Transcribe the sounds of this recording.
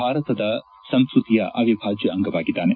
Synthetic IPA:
aːɾɐt̪ɐd̪ɐ | sɐnskɾut̪ijɐʔɐ̰ʋibʱaːt͡ʃiɐŋɡɐʋaːɡid̪aːne

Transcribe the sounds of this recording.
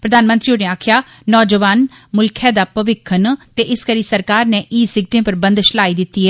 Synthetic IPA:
pɾəd̪aːnmə̃nt̪ɾioneːaːkʰjaː | nɔːd͡ʒəʋaːn | mʊlkʰɛːd̪aːpəʋɪkʰənt̪eːʔɪskəɾiːsəɾkaːɾneːʔiːsɪɡ̚ʈẽːpəɾbənd̪ʃəlaːiːd̪ɪt̪ːiːɦɛː

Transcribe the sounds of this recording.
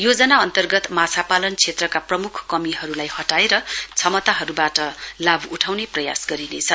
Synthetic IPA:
jod͡zʌnaʌnt̪ʌrɡʌt̪mat͡sʰapalʌnt͡sʰet̪rʌkaprʌmukʰkʌmiɦʌɾulajhʌʈaeɾʌt͡sʰʌmʌt̪aɦʌɾubaʈʌlabuʈʰawneprʌja̰sɡʌɾinet͡sʰʌ

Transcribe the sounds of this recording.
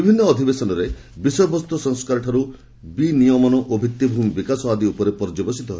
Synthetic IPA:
ibʱinːɔːd̪ʱibesɔnɔɾebisɔjɔbɔst̪ʰɔsɔŋskaɾʈʰaɾu | binijɔmɔnɔʔobʱit̪ːjibʱumibikasɔad̪iupɔɾepɔɾd͡ʒɔbɔsit̪ɔɦɔe

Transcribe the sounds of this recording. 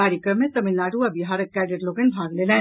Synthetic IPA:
aːɾjəkɾəmẽt̪ɐminːaːɖuɐbiɦaːɾɐkːɛːɖeʈloːɡənbʱaːɡleːlɛ̃ː

